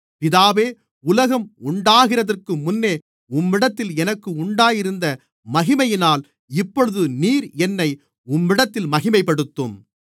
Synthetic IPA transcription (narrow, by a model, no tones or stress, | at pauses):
pɪðaːʋeː | ʊlɐɣɐmʊɳɖaːɣɪrɐðɐrkɯmʊnːeː | ʊmːɪɽɐt̪ːɪlɛnɐkːɯʊɳɖaːjɪɾɯnd̪ɐ | mɐɣɪmɐjɪnaːl | ɪpːɔɻɯðɯniːɾɛnːɐɪ | ʊmːɪɽɐt̪ːɪlmɐɣɪmɐɪpːɐɽɯt̪ːɯm